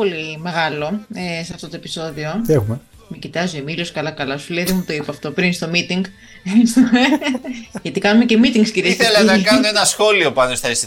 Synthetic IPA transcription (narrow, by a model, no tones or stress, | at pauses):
o̞lime̞ɣɐlo̞esɐft̪o̞t̪o̞e̞piso̞ðio̞exume | mecit̪ɐzuemiloskɐlɐkɐlɐsuleðemut̪o̞ipɐft̪o̞pɾinst̪o̞mit̪iŋɡ | sume | ʝɐt̪ikɐnumece̞mit̪iŋɡsciɾiessθelɐnɐkɐnuenɐsxo̞lio̞pɐnost̪ɐes